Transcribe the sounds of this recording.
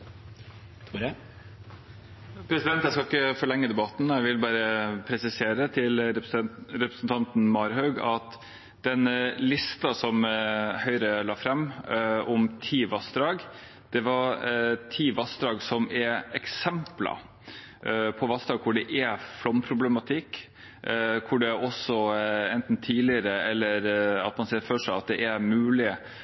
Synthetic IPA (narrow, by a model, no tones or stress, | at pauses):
pʰɾɛsɪd̪ɛnt̪jæskɑɪkːəfɔɭɛŋːəd̪ɛbɑt̪n̩æɪʋɪlbɑːɾəpʰɾɛsɪseːɾət̪ʰɪl | ɾɛpɾəsnt̪ʰɑnt̪nmɑɾɦœʉɡɑt̪ | d̪̥ɛnlɪst̪ɑsɔmhœʏɾəlɑːfɾɛmːɔmt̪ʰiːʋɑsd̪ɾɑːɡ | d̪̥ɛʋɑɾt̪ʰiːʋɑsd̪ɾɑːɡsɔmɛɛksɛmplɑ̰ | pʰɔʋɑsd̪ɾɑːɡ̚kʰʊɖɛʔɛflɔmpʰɾʊblɛmɑt̪ʰɪkː | kʰʊɖɛɔsɔɛnt̪n̩t̪ʰiːlɪəɾəɛlːəɾɑ̰t̪mɑnsɛːɾfœʂæɪɑt̪̚d̪ɛʔæɾmʉːlɪ